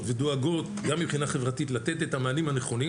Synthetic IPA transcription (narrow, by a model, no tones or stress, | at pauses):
ved̪oaɡo̞t | ɡamːibχinaχe̞vʁatit̪lat̪e̞t̪et̪hamaːnimhane̞χo̞ni